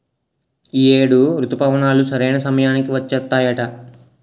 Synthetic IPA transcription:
ieːɽuɾut̪upɐʋɐnaːlusɐɾejnɐsɐmɐjaːnikiʋɐt͡ʃːɐt̪ːaːjɐʈɐ

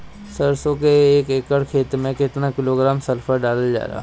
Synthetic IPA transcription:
sɐɾsõkeeːkeːkəɽkʰeːt̪mẽkɪt̪nakɪloːɡɾaːmsɐɾpfʰəɾɖaːləd͡ʒa̰ːɾa̰ː

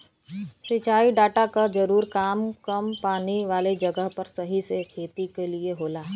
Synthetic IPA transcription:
sit͡ʃaːiɖaːʈakad͡ʒɐɾuːɾkaːmkɐmpaːniʋaːled͡ʒɐɡəɦpɐɾsɐɦisekʰeːt̪ikelieɦoːlaː

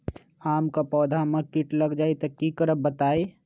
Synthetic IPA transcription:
aːmkapɔːd̪ʱamɐ̃kɪʈlɐɡd͡ʒaːet̪ɐkːikəɾəbbət̪aːe

